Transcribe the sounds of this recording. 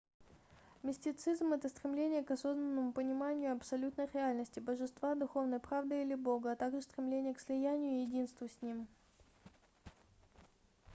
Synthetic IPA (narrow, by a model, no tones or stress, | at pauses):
mʲɪsʲtʲɪt̪sɨzmɛt̪əst̪ɾʲɪmlʲenʲɪjəkɐso̞znənːəmʊpənʲɪmanʲɪjʊɐpsɐlʲut̪nəjɾʲɪalʲnəsʲtʲɪbəʐɨst̪vad̪ʊxo̞vnəjpɾavd̪ɨilʲɪbo̞ɡəɐt̪aɡʐɨst̪ɾʲɪmlʲenʲɪjəkslʲɪjænʲɪjʊjɪdʲinst̪vʊsʲnʲim